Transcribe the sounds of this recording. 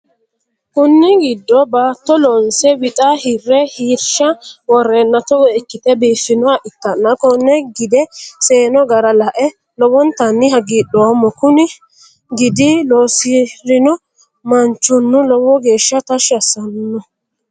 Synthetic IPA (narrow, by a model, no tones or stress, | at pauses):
kʊnːɪɡɪd̪ːɔbaːt̪ːɔlɔnsɛwɪt̪ʼahɪrːɛhiːɾʃɐwɔrːeːnːɐt̪ɔwɔɛkːɪt̪ɛbiːfːɪnɔaʔɪt̪ːɐnːɐkɔnːɛɡɪd̪ɛseːnɔɡɐɾɐlɐʔɛ | lɔwɔnt̪ɐnːɪɦɐɡiɗɔːmːɔkʊnɪ | ɡɪd̪ɪloːsɪɾɪnɔ | mɐnt͡ʃːʊnːʊlɔwɔɡe̞ːʃːɐt̪ɐʃɐsːɐnnːɔ